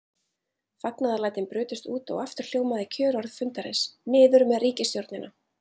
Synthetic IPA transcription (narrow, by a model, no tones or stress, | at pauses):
faknaðalaːjt̪ɪnpɾʏːt̪ʏst̪uːt̪ɔ̰ɣaft̪ʏɾ̥l̥joːwmaðɪcʰœːɾɔɾðfʏnt̪aɾɛ̰snɪːðʏɾmɛðriːcɪst̪jowɾt̪nɪnʔa